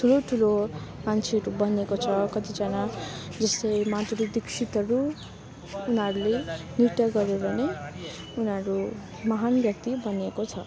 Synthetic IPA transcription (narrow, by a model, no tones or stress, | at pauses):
t̪ʰuloʈʰulomant͡sʰeʌɾubʌnekot͡sʰʌkʌt̪id͡zʌnad͡zʌst̪ʌjmat̪rud̪iksʰit̪ʌɾuː | nʌɾulenirt̪ʌɡʌɾeɾʌne | unʌɾu | mʌɦanbjʌk̚t̪ibʌnekot͡sʰʌ